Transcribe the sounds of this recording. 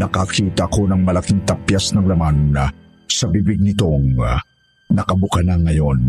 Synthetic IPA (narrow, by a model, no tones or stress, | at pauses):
nɐkɐkʰiːt̪ɐʔɐko̞nɐŋmɐlɐkiŋt̪ɐpjasnɐŋlɐman | sɐbiːbɪɡ̚nɪt̪o̞ŋ | nɐkɐbʊkɐnaŋɐjo̞n